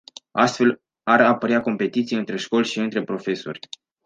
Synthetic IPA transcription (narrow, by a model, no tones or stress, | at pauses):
ast̪fe̞l | aɾapəɾeako̞mpe̞t̪it̪sijeɨnt̪ɾe̞ʃko̞lʲʃiɨnt̪ɾe̞pɾo̞fe̞so̞̰rʲ